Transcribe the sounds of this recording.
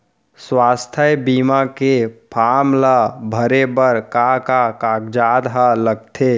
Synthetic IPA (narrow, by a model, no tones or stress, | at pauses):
swaːst̪ʰəjbiːmakepʰaːmlabʱəɾebəɾkakakaːkd͡ʒaːd̪ɦaləɡ̚t̪ʰe